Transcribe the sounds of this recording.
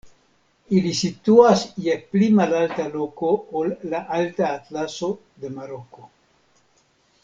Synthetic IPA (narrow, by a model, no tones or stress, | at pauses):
ilisituasjeplimalaltaloko̞olːaʔaltaːtlaso̞ | d̪e̞maɾoko